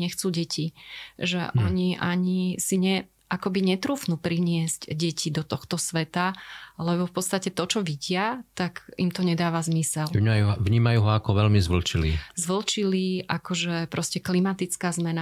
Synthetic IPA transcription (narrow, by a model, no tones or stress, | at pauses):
ɲɛxt͡suːɟɛcʰiʒɛ̰ʔʔɔɲiʔaɲisiɲɛ | ʔakɔbiɲɛt̪ɾuːfnuːpɾiɲɪɛz̥cɟɛcʰid̪ɔt̪ɔxt̪ɔsʋɛt̪alɛbɔfpɔt̪t͡sst̪acɛt̪ɔt͡ʃɔʋiɟɪat̪akimt̪ɔɲɛd̪aːʋazmisɛljuʋɲiːmajuːɦɔakɔʋɛlmizʋl̩t͡ʃilḭːzʋl̩t͡ʃiliːʔakɔʒɛpɾɔscɛklimat̪it͡skaːzmɛna